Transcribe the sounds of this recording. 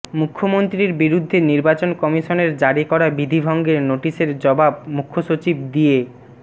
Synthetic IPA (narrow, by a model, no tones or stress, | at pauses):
mukʰːomont̪ɾiɾbiɾud̪ʱːeniɾbat͡ɕonkɔmiʃoneɾd͡ʑaɽikɔɾabid̪ʱibʱɔŋɡeɾnoʈiʃeɾd͡ʑɔbabmukʰːoʃot͡ɕib̚d̪ie